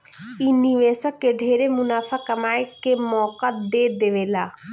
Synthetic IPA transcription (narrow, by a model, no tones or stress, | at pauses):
iniʋeːsəkːeɖʱeːɾemʊnaːfʰakəmaːekemɔːkad̪eːd̪eʋeːlaː